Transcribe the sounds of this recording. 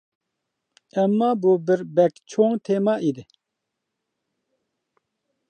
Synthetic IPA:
ɛmːaːbuːbɪɾbɛkt͡ʃʰoːŋt̪ʰeːmɑːʔid̪ɪ

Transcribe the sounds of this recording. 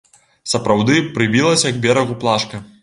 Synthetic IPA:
sɐpɾawd̪ɨpɾɨbʲilˠɐsʲɐjɐkbʲɛɾɐɣuplˠaʂkɐ

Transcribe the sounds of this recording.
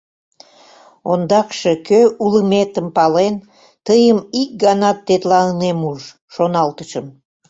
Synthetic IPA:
ond̪ɑkʃekøʔuləmet̪əmpɑlen | t̪əjəmik̚ɡɑnɑt̪ːet̪lɑnənemuʒ | ʃonɑlt̪əʃəm

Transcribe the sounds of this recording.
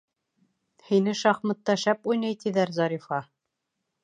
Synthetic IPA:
hinɘʃɑχmɤ̆t̪ːɑʃæpujnɑjt̪iðæɾzɑɾifɑ

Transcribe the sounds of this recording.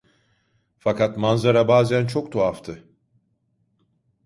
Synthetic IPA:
fakat̪manzaɾabaːzænt͡ʃʰo̞k̚t̪ʰoaft̪ʰɯ

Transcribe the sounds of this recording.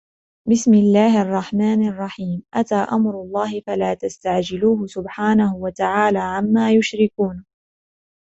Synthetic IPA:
bɪsmɪlːaːhʔɑrˤːɑħmaːnɑrˤːɑħiːmʔat̪aːʔamɾʊlˤːɑːɦɪfalaːt̪ast̪aʕd͡ʒɪluːhʊsʊbħaːnahʊwat̪aʕaːlaːʕamːaːjʊʃɾɪkuːn

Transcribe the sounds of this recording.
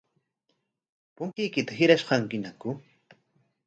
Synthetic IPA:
pʊŋkɪjkɪt̪aɦɪɾaʃɢɑŋkɪnakʊ

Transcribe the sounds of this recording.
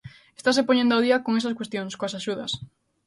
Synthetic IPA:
est̪as̬epoɲẽnd̪oawðiɐkoŋes̬ɐskwest̪joŋskoasaʃuðɐs

